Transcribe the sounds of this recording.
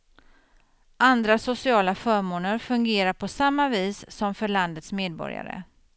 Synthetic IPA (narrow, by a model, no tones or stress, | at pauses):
ʔand̪ɾasʊsɪɑːlafœːɾmoːnəɾfɵŋɡeːɾaɾpʰɔsamːaviːsːɔmfœɭand̪ət̪smeːd̪̚bɔ̰ɾja̰ɾə̰